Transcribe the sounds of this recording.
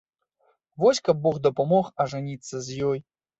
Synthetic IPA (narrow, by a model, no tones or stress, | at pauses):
vɔsʲkɐbːɔɣd̪ɐpamɔxɐʐanʲit̪sːɐzʲjɔj